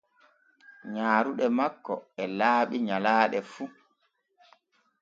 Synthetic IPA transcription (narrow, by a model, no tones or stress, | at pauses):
ɲaːɾuɗɛmakːɔɛlaːɓiɲalaːɗɛfu